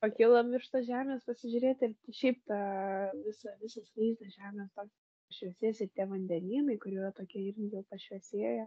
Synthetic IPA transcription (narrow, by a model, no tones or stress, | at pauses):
pɐkʲɪlˠɐmʲɪrʃt̪ɐʒʲæːmʲeːspɐsʲɪʒʲʊɾʲeːt̪ʲɪrt̪ʲʃʲɛɪpt̪ɑʋʲɪsɐʋʲɪsɐsliɪʒd̪ɐsʒʲæːmʲeːst̪oːkʲː | pɐʃʲʋʲɛsʲeːjsɪrt̪ʲiɛʋɐnʲd̪ʲɛnʲiːnɐɪkʊɾʲiːrɐt̪oːkʲiɛɪrʲɡʲɪjɛʊpɐʃʲʋʲɛsʲeːjɛ